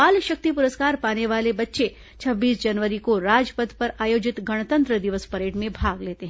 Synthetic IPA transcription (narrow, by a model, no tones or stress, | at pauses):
alʃək̚t̪ipuɾəskaɾpaneʋalebətːʃe | t͡ʃʰəbːisd͡ʒənʋəɾikoɾad͡ʒpəd̪ʱpəɾajod͡ʒɪt̪ɡəɽ̃t̪ənt̪ɾəd̪iʋəspəɾeʈmẽbʱaɡlet̪eɦ